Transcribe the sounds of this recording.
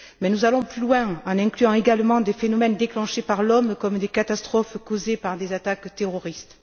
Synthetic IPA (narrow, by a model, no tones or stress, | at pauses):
mɛnuzalɔ̃plylwɛ̃ɑ̃nɛ̃klyɑ̃eɡalmɑ̃d̪efenɔmɛnd̪eklɑ̃ʃepaʁlɔmkɔmd̪ekat̪ast̪χɔfkozepaʁd̪ezat̪akt̪eʁɔʁist̪